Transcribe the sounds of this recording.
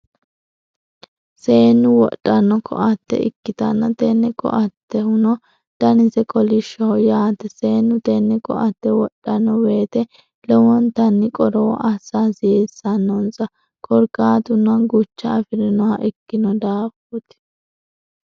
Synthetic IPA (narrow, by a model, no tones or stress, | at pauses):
se̞ːnːʊwɔ̰ɗʼːɐnːɔkʰɔ̰ʔɐt̪ːɛ̰ɪ̰kːɪt̪ɐnːɐt̪ɛnːɛkɔ̰ʔɐt̪ːɛhʊnɔ | d̪̥ɐnɪzɛkɔlɪʃːɔhɔjaːt̪ɛseːnːʊt̪ɛnːɛkɔ̰ʔɐt̪ːɛwɔɗʼːɐnːɔweːt̪ɛ | lɛwɔnt̪ɐnːɪkʼɔɾɔwɔ̰ʔɐsːaːsɪesːɐnːɔnzɐ | kʰɔɾkaːt̪ʊnɐɡʊt͡ʃːɐːfɪɾɪnɔwɐʔɪkːɪnɔd̪aːfɔt̪ɪ̥